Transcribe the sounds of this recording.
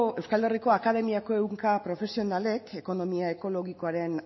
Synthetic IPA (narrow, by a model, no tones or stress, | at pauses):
e̞wskale̞riko̞akaðe̞miako̞e̞wŋkapɾo̞fe̞sio̞nale̞kʰe̞ko̞no̞miae̞ko̞lo̞ɣiko̞aɾe̞n